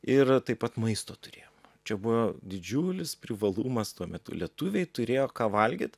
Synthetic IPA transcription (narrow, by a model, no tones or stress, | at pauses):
ɪrt̪ɐɪpɐt̪mɐɪst̪oːt̪ʊɾʲeːjoːmt͡ʃʲɛbʊʋoːd̪ʲɪd͡ʒʲuːlʲɪspʲɾʲɪʋɐlˠuːmɐst̪uɔmʲɛt̪ʊ̰lʲiɛt̪uːʋʲɛɪt̪ʊɾʲeːjoːkɑːʋɐlʲɡʲḭːt̪